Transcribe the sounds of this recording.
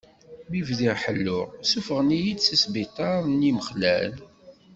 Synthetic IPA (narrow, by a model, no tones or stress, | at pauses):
mivðiʁħəlːʊʁsufəʁnijid̪sisbit̪ˤɑɾˤniməχlæ̰l